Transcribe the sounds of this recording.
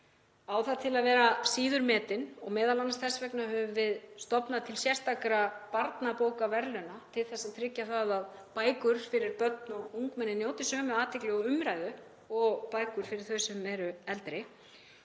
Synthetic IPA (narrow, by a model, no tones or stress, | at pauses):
awθaðt̪ʰɪlaðvɛːɾasiːðʏɾmɛːt̪ɪnɔɣmɛːðalansθɛsvɛknaɦœːvʏvɪðst̪ɔpnat̪ʰɪlsjɛr̥st̪ʰakɾapaɾt̪napoːwkavɛɾlʏnat̪ʰɪlθɛsːaðt̪ʰɾɪcːaθaðaðpaːjkʏɾ̥fɪɾɪɾpœt̪nɔɣuŋkmɛnːɪnjoːwt̪ɪsœːmʏaːt̪ɪklɪɣɔʏmɾajðʏ | ɔɣpaːjkʏɾ̥fɪɾɪɾ̥θœɥsɛmɛɾʏɛlt̪ɾɪ